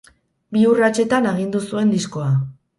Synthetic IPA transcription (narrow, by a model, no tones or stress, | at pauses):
biurat͡ʃe̞t̪anaɣ̞ind̪usue̞nd̪isko̞a